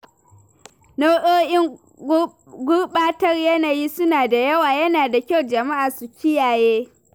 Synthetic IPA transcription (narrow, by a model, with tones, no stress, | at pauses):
no˦ʔoː˦ʔɪ˦ŋ | ɡʷʊ˦rɓaː˦tɐ˦rjɐ˦naː˨jiː˦sʊ˦naː˨da˨jɐ˦waː˨jɐ˦naː˨da˨kʲa˦˨wd͡ʒɐ˨ma˦ʔaː˨su˨kʲɪ˦jaː˨jeː˦